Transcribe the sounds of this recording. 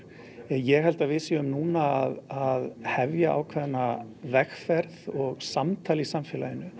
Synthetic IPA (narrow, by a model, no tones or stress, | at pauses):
njɛɣɦɛlt̪avɪsiʏmnuːnaːðaðhɛvjaʔa̰ːwkʰvɛðnavɛxfɛɾðɔɣsamt̪ʰaːlisamfɪːlajɪnʏ